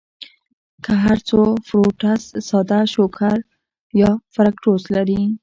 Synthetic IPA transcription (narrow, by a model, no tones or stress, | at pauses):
kʰaɦaɾt͡sofɾoʈassɑd̪aʃokʰaɾ | jɑfaɾakʈoslaɾi